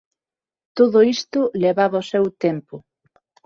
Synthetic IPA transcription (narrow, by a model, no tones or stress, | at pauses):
t̪oðoist̪ʊleβaβaosewt̪empʊ